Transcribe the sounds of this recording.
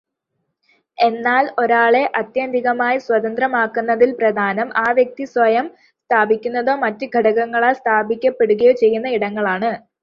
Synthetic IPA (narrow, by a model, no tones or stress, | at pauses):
e̞nːaːlo̞ɾaːɭe̞ʔɐt̪jɐnd̪ʱiɣɐmaːjiswɐd̪ɐnd̪rɐmaːkːunːɐðilprɐd̪ʱaːnɐmʔaːʋjɐk̚t̪iswɐjɐm | st̪ʰaːbʱikʲːunːɐðo̞ːmɐtːɨɡʱɐɽɐɣɐŋːɐɭaːlst̪ʰaːbʱikʲːɐpːe̞ɽuɣɐjoːt͡ɕe̞jːunːɐiɽɐŋːɐɭaːɳɨ